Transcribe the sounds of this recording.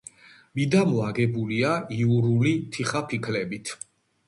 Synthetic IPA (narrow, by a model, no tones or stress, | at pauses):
mid̪amɔaɡɛbuliaiuɾulit̪ʰiχapʰikʰlɛbit̪ʰ